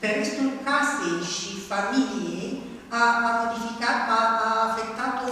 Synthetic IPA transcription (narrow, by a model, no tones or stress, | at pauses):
peɾmest̪ukaseʃifamilje | aamod̪ifikat̪aːfet̪ːat̪o